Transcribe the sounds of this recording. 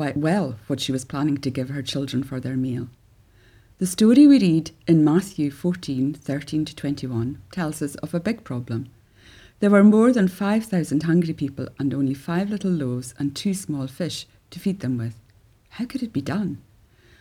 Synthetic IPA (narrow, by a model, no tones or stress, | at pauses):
waɪʔwɛlˠwʌtʃiwʌz̥pʰl̥anɪ̃ŋtʰɨɡɪv̥ə˞t͡ʃʰɪlˠdɹə̃nfə˞ðə˞milˠ | ðəstɔɹiwiɹidɪ̃nmaθjʉfɔɹtʰĩnθɜ˞tʰĩntʰə̥tʰw̥ɛ̃ntʰiwʌ̃ntʰɛlˠz̥ʌsʌvəbɪɡ̚pʰɹ̥ɔblˠə̃m | ðə˞wə˞mɔɹðə̃nfaɪv̥θaʊzə̃nd̥̚ɦʌ̃ŋɡɹipʰipəl̩ˠʔə̃nõnlˠifaɪvlˠɪɾl̩ˠlozə̰̃ntʰʉsmɔlˠfɪʃ | tʰəfid̪̚ðə̃mwɪð̥ | haʊkʰɨɾɨt̚b̥idʌ̃n